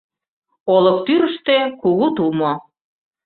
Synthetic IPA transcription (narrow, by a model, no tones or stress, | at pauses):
olɤ̆k̚t̪yɾə̆ʃt̪ekuɣut̪umo